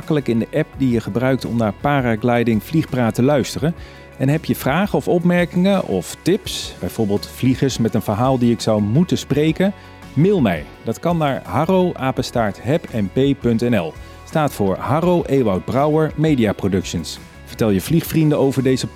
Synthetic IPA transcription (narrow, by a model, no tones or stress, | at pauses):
kələkɪndəʔɛp̚dijəχəbrœɥktɔ̰mnaːɹpaːraɡlɛjdɪŋvliχpraːtəlœɥstərən | ɛnɦɛpjəv̥raːχəɔfɔpmɛɹkɪŋəʔɔftɪpsb̥ɛjvʊːɹbɪːlˠtfliχəɹsmɛtənv̥əɹɦaːlˠdiɪksɑwmutəsprejkən | mɪːlˠmɛ̰j | dɑtkɑnːaːɹɦɑrowʔaːpəstaːɹtɦɛpɛnpejpɵntɛnɛlˠ | staːtfʊːɹɦarowʔeːʋɑwd̚brʌwəɹmejdiaːprodɵkʃəns | vəɹtɛlˠjəvliχfrindəowvəɹdejzə